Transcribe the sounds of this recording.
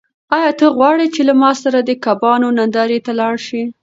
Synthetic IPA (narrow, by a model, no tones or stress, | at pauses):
ɑjɑt̪əɣwɑɽet͡ʃelamɑsaɾad̪əkabɑnonand̪ɑɾet̪alɑɽʃi